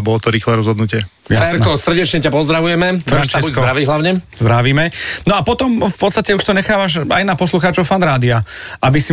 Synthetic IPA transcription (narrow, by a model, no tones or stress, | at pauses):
bɔlɔt̪ɔɾiːxlɛɾɔzɦɔd̪nucɪɛ | afɛɾkɔsr̩ɟɛt͡ʃɲɛcapɔzd̪ɾaʋujɛmɛfɾant͡ʃaibuszɔɾaʋiɦlaʊɲɛzd̪ɾaʋiːmɛnɔapɔt̪ɔmfpɔt̪st̪acɛuʃt̪ɔɲɛxaːʋaʃa̰jnapɔsluxaːt͡ʃɔʊfand̪ɾaːd̪iaabisi